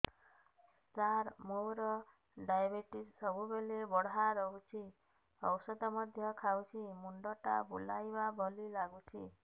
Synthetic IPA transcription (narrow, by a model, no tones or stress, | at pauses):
staɾmowɾɔ | ɖajbeʈisːɔbubelebɔɽ̤ɦaɾɔɦut͡ʃʰi | ɔ̰wsɔd̪ɔmɔd̪ʱjɔkʰawt͡ʃʰimuɳɖɔʈa̰bulajbabʱɔlilaɡut͡ʃʰḭ